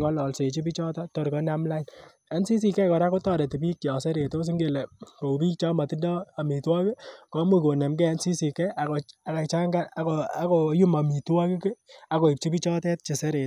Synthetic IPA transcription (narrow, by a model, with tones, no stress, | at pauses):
ŋɡɔ˦lɔ˨lse˨t͡ʃi˦pi˦t͡ʃɔ˦tɔ˦tːɔ˨ɾkɔ˦na˦mla˦in | a˨˦nsi˦s̬i˨kɛ˦kɔ˨ɾa˦ko˦tɔ˦de˨ti˨bi˦kːjɔ˨sɛ˦ɾe˨to˦s̬i˦ŋɡe˦˨le˨ko˨bi˦k̚t͡ʃɔ˦ma˨ti˦dɔ˦a˨mi˨twa˦ke˦kɔ˨˦mu˦˨ko˨ne˨mɡɛ˦a˦nsi˦si˨kɛ˦ʔa˨ko˨a˨ka˨t͡ʃa˦ŋɡa˦a˦koa˦ko˨ju˦ma˨mi˨twa˦ke˦ke˦a˨ko˨i˨p̚t͡ʃi˦pi˦t͡ʃɔ˦tɛ˦t̚t͡ʃe˨se˦ɾe˨t